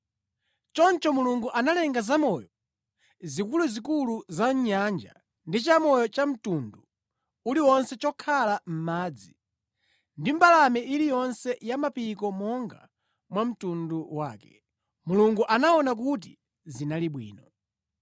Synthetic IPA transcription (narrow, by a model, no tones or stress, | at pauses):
t͡ʃɔnt͡ʃɔmuluŋɡuʔanalɛŋɡazamɔjɔ | zikuluzikuluzaɲɲand͡ʒa̰ | ndit͡ʃamɔjɔt͡ʃam̩tundu | uliwɔnsɛt͡ʃɔkʰalam̩maːd͡zi | ndim̩balamɛilijɔnsɛjamapikɔmɔŋɡa | mwam̩tunduwaːkɛ̰ | muluŋɡuʔanaɔnak̬ut̬i | zinaliɓwḭːnɔ